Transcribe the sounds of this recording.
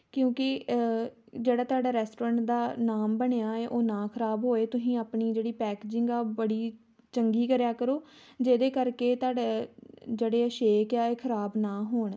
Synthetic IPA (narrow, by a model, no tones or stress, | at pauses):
kjõːkɪ | d͡ʒeːɽaːt̪ʊaːɖaːɾɛːsʈoːɾə̃ɳʈd̪aːnaːmbəɳeaːeːʔoːnãːkʰəɾaːbɦoːeːt̪ʊsĩːaːpɳiːd͡ʒeːɽiːpɛːkeːd͡ʒɪŋɡaːbəɽiː | t͡ʃəŋɡiːkəɾjaːkəɾoː | d͡ʒeːd̪eːkəɾkeːt̪aːɖed͡ʒeːɽeːəʃeːkjaːeːkʰəɾaːbnãːɦoːɳ